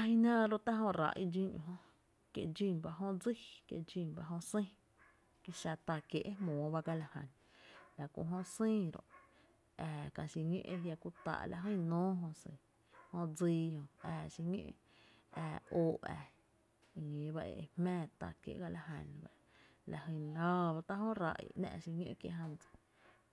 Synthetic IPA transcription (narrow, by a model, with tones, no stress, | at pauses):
a˧hĩ˧nãː˦˧ɾo˦˧t̪a˦ɦõ˧ɾa̰˧˨ʔi˦d͡ʒĩ˦˧ɲõ̰˧ɦõ˧ | kje˧ʔd͡ʒi˧˨nba˧ɦõ˧d͡zi˦˨kjḛ˧d͡ʒi˧˨nba˧ʔɦõ˧sĩ˦˨ | ki˧ʃa˧t̪a˧kje˧ʔe˦mõː˨˦ba˧ɡa˧la˧hã̰˨n | la˨kõ̰˧˨ɦõ˧sĩː˦˧ɾo̰˨ʔ | ɛ˧˨kã˧ʃi˧ɲḛ̃˦ʔe˧ja˧ku˦t̪a̰ː˧ʔla̰˧ɦə̃˦˨nõː˦ɦõ˧se˨ | hõ˧d͡ziː˧õ˧ɛː˧˨ʃi˧ɲḭ̃˦ʔ | ɛː˧˨oː˧˨ʔɛ̰˨˧ | ŋĩ˨ba˧ʔḛ˧˨˧hmɛ̃ː˦˨t̪a̰˧˨kjḛ˧ʔɡa˧la˧ɦa˨nba˧ | la˨hi˧˨la˦˧ba˧t̪a˦hõ˦ɾa̰˧˨ʔḭ˧nɛ̰̃˧ʔʃi˧ɲḭ̃˦ʔkjḛ˧ʔɦã˧nd͡zḁ˨